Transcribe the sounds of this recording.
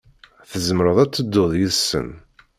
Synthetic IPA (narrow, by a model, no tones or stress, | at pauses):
θəzmɾəðˤæt͡sːəd̪ːoðˤjiðsə̰n